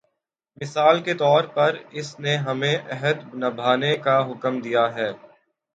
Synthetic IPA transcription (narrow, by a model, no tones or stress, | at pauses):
mɪsaːlket̪ɔːɾpɐɾɪsneɦɐmẽʔɛɦəd̪nɐbʱaːnekaɦʊkəmd̪ijaɦɛː